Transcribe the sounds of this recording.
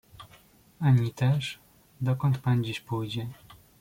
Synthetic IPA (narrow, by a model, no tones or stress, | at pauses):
aɲit̪ɛʂ | d̪ɔkɔnt̪pand͡ʑiɕpujd͡ʑɛ